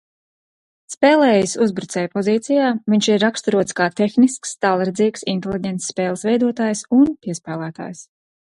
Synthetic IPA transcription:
spɛːlˠɛːjsuzbɾut̪sɛːjpɔziːt̪sijaːviɲʃiɾːakst̪uɾuɔt̪skaːt̪exniskst̪alˠɾd̪ziːksint̪elʲˠiɟʲɛnt̪ssːpɛːlˠsvɛjd̪uɔt̪aːjsunpiɛspæːlˠæːt̪a̰ːjs

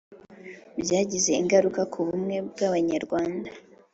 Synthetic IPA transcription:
bjaːɟize̞iŋɡaɾukakʰuβumŋe̞bɡaβaɲaɾɡwaːnda

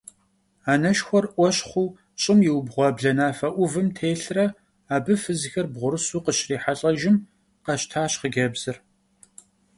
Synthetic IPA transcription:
aːnɐʃxʷɔrʔʷɔɕχʷuː | ɕʼɪmjɪwbʁʷɔbɮɐnaːfɐʔʷʊvɨmtʰeːɬrɐ | aːbɨfɨzɨxɐrbʁʷʊɾɨsuːqəɕriːħaɬʼɐʒɪm | qɐɕtʰaːɕχəɡʲɐbz̥ɨr

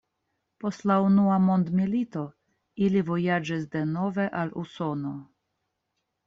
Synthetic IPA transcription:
po̞stlaunuamo̞nd̪milito̞ | ilivo̞jad͡ʒis̬de̞no̞ve̞ʔalṵso̞no̞

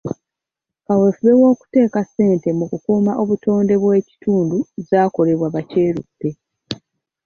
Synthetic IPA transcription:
kawefuβewo̞ːku̥te̞ːkase̞ːnte̞mukukuːmaʔo̞βuto̞ːnde̞βwe̞ːci̥tuːnduzaːko̞le̞βwaβace̞ːɾutːe̞

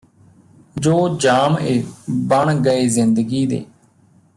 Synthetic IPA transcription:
d͡ʒoːd͡ʒaːmeːbəɳɡəeːzɪnd̪əɡiːd̪ḛː

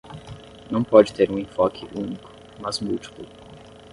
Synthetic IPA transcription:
nɐ̃w̃pɔd͡ʒɪt̪eɾũẽfɔkʰɪʔũnikʊ̥ | mɐzmut͡ʃi̥pʊ

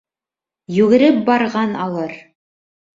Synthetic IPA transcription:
jʉɡɘ̆ɾɘp̚bɑɾʁɑnɑlˠɤɾ

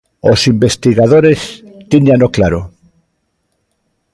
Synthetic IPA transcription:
osimbest̪iɣað̞oɾest̪iɲanoklaɾo

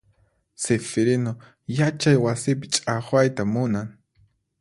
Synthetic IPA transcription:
sefeɾɪno | jat͡ʃajwasɪp̬ɪt͡ʃʼaχwajt̪amʊnaŋ

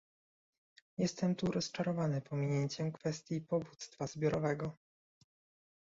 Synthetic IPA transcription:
jɛst̪ɛmt̪uɾɔst͡ʂaɾɔvanɘpɔmʲiɲeɲt͡ɕɛmkfɛst̪ʲjipɔvut̪st̪fazbʲjɔɾɔvɛɡɔ

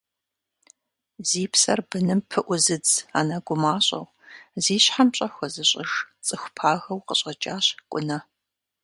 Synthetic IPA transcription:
ziːpʰsɐrbɨnɨmpʰɨʔʷʊzɨd͡za̰ːnɐɡʷʊmaːɕʼɐ̰ʁ | ziːɕħamɕʼɐxʷɐzɨɕʼɪʂt͡sʼɨxʷpʰaːɣɐwqəɕʼɐt͡ʃʼaːɕkʷʼʊnɐ

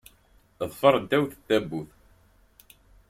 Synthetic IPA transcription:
ðˤfɑɾˤənt̪æwθə̥t̪ːæbːuθ

